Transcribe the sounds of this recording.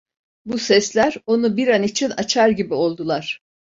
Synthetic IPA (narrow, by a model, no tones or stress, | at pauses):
busɛslʲæɾo̞nubiɾanit͡ʃʰinat͡ʃʰaɾɟibio̞lˠd̪ulˠaɾ̝̥